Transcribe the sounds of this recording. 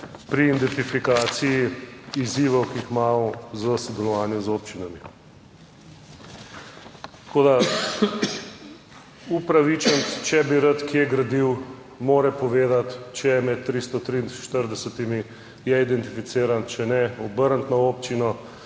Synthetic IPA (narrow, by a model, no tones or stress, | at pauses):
pɾiːnd̪ɛnt̪ifikaːt̪sijiiziːʋɔwkiixmaːmɔzəsɔd̪ɛlɔʋaːnjuzop̚t͡ʃinami | t̪koːd̪a | upɾaʋit͡ʃənt̪t͡ʃɛbiɾat̪kjɛɡɾad̪iw | moːɾɛpɔʋeːd̪at̪t͡ʃɛmɛt̪̚ːɾist̪ɔt̪ɾinʃt̪əɾd̪ɛsət̪imi | jɛid̪ɛnt̪ifit̪seːɾant͡ʃɛnɛɔbəɾnt̪nɔoːpt͡ʃinɔ